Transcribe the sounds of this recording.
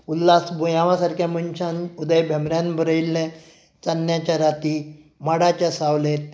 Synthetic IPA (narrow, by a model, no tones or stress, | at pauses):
ulːasbujãʋasaɾkjamənɕãnud̪əjbʱɛmɾjãnbəɾəilːẽ | t͡sanːjat͡ɕaɾat̪i | maɽat͡ɕjasaʋlet̪